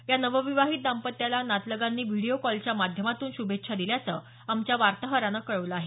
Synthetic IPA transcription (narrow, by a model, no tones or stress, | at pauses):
janəʋəʋiʋaɦiːt̪̚d̪ampət̪jalanat̪ləɡanːiːʋiɽiokɔlt͡ɕjamad̪ʱjəmat̪uːnɕubʱet̪ːʂʰad̪iljat͡səː | amt͡ɕjaʋaɾt̪əɦəɾanəkəɭəʋləaɦe